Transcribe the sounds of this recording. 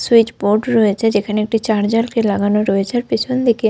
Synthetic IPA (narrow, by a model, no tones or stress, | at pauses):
suit͡ɕboɾɖɾɔet͡ɕʰed͡ʑekʰaneek̚ʈit͡ɕaɾd͡ʑalkelaɡanoɾɔet͡ɕʰaɾpit͡ɕʰond̪ike